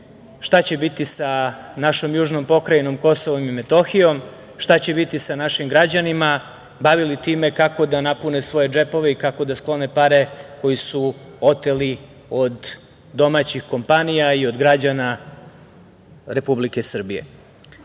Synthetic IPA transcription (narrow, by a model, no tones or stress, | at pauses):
ʃt̪at͡ɕe̞bit̪isanaʃo̞mjuːʒno̞mpo̞kɾajno̞mko̞so̞ʋo̞mimet̪o̞xijo̞m | ʃt̪at͡ɕe̞bit̪isanaʃimɡɾad͡ʑanima | baʋilit̪iːme̞kako̞d̪anapunesʋo̞je̞d͡ʒe̞po̞ʋe̞ikako̞d̪asklˠo̞nepaɾe̞ko̞jisuo̞t̪eli | o̞d̪ː | o̞mat͡ɕixko̞mpanijaio̞d̪ɡɾad͡ʑana | ɾe̞publike̞sr̩bije̞̰